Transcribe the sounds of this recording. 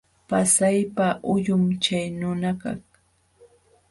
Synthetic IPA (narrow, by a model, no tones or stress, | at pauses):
pasajpaʔʊjʊmt͡ʃajnʊnaka̰χ